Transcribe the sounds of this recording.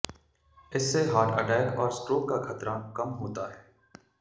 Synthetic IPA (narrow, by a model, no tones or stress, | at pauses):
ɪsːeɦaːʈʰə̰ʈɛːkɔːɾsʈɾoːkːakʰət̪ɾakɐmɦoːt̪aːɦɛː